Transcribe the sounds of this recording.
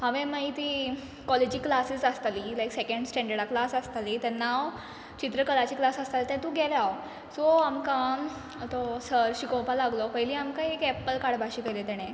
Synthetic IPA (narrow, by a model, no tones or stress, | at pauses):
ɦaʋẽmait̪iː | kɔled͡ʑiːklasisəst̪alilajksekə̃ɳɖsʈɛ̃ɳɖəɽaklasəst̪alit̪ɛnːaw | t͡ɕit̪ɾəkəlat͡ɕiːklasəst̪alet̪ɛ̃t̪ũɡʱɛlaw | sɔamkã | t̪ɔsəɾɕikõpalaɡlɔpəɦiliːamkãekɛpəlkaɽbʱaɕiːkelet̪ɛɽ̃ẽ